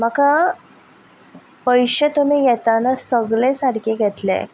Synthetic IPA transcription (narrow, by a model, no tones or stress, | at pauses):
m̤əka | pəjɕet̪um̤ijɛt̪anasəɡɭesaɽkeɡʱɛt̪lḛ